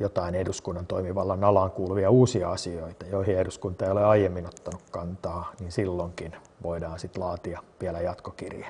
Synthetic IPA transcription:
jot̪ɑineduskunːɑnt̪oimiʋɑlːɑnɑlɑŋkulʋiɑuːsiɑɑsioit̪ɑjoihieduskunt̪ɑeijoleɑijemːinot̪ːɑnukkɑnt̪ɑːniːnsilːoŋkin | ʋʔoidɑːnsit̪lɑːt̪iɑʋiælæjɑt̪kokḭrje

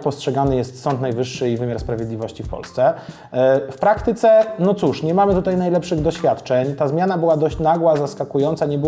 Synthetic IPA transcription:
pɔstʂɛɡanɘjɛst̪sɔnt̪najvɘʂːɘivɘmʲjaɾspɾavʲjed̪lʲivɔɕt͡ɕifpɔ̰lst̪sɛ | fpɾakt̪ɘt̪sɛnɔt̪suʂɲɛmamɘt̪ut̪ajnajlɛpʂɘɣd̪ɔɕfʲjat̪t͡ʂɛɲt̪azmʲjanabɘwad̪ɔɕt͡ɕnaɡwazaskakujɔnt̪saɲɛbɘ

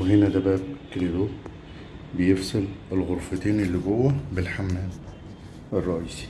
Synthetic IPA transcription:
weɦenæd̪æbæʔbkeled̪oː | bejefselelɣoɾfet̪eːnelːiɡowːæbelħamːæːn | erˤːɑʔiːsi̥

